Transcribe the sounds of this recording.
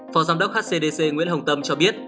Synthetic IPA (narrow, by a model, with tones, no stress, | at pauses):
fɔ˨˦zaː˧wɗə˦˥wk͡p̚xaː˦˥t̚se˧ɗe˧se˧ŋwḭ˧˥ənɦə˨˩wŋ͡mt̪ə˧mt͡ɕɔ˧ɓi˦˥ət̚